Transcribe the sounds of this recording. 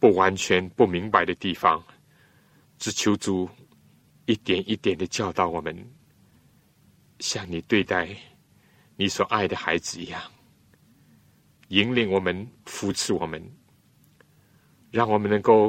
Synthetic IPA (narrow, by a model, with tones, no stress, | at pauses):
pu˥˩wa˧˦nt͡ɕʰɥɛ˧˦npu˥˧mi˧˥ŋpa˨ɪd̪ə˨t̪i˥˧fɑ˦ŋ | t͡sɹ̩˨˩t͡ɕʰjo˧˥ʊt͡su˨˩ | i˦t̪jɛ˨˩nʔi˦t̪jɛ˨˩nd̪ə˨t͡ɕjɑ˥˧ʊt̪ɑ˥˨˩ʊwɔ˨˩mə˦n | ɕja˥˩ŋni˨˩t̪we˥˧ɪt̪a˥˩ɪ | ni˨˩swɔ˨˩ʔa˥˩ɪd̪ə˨xa˧˥ɪd͡zɹ̩˨i˧˦ja˥˩ŋ | i˧˥ŋli˧˦ŋwɔ˨˩mə˦nfu˧˥t͡s̩ʰ˥˧wɔ˨˩mə˦n | ɻa˥˩ŋwɔ˨˩mə˨nːə˧˦ŋko˥˧ʊ